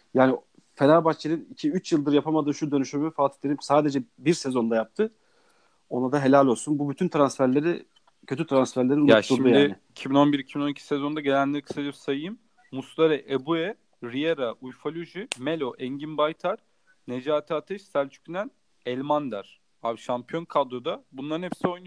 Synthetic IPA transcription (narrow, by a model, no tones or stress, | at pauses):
jaːni | felaɾbat͡ʃleɾɯnicʰiyt͡ʃjɯlˠd̪ɯɾjapʰamad̪ɯːʃud̪ø̞nyʃyɾmfaːt̪ʰi̥t̪lʲeɾimsaːd̪e̞d͡ʒɛbiɾse̞zo̞nd̪ajap̚t̪ʰɯ | o̞nad̪aɦe̞lʲalʲo̞lˠsunbubyt̪ʰynt̪ʰɾansfæɾlʲe̞ɾi | cʰø̞t̪ʰyt̪ʰɾansfæɾlʲeinuat̪ulujːinɪicʰibino̞nbiɾicʰibino̞nicʰi̥sezo̞nd̪aɟe̞lʲænlʲeɾikʰɯ̥sad͡ʒipsajɯjɯmː | ust̪ˠaɾɛʔebuɛ | ɾieɾaʔujfalʲuʒimelʲo̞ʔɛɲɟinbajt̪ʰaɾ̥ | ned͡ʒaːt̪ʰaːt̪ʰɛʃsæɾt͡ʃʰy̥cʰynæn | ɛlʲmand̪æɾ̥ | avʃampʰijo̞nkʰad̪ɾod̪abunlˠaɾɯnhepsio̞jnu